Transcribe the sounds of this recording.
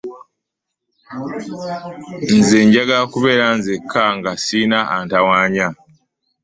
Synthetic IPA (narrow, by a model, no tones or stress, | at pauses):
nzeːɲɟaɡakuβe̞ːɾanzekʰːaŋɡasinaantawaːɲa